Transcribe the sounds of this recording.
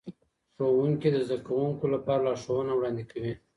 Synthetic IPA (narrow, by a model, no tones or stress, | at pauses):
ʂowuŋkid̪əzd̪akawuŋkolapɑɾalɑʂowənawɽɑnd̪ekawi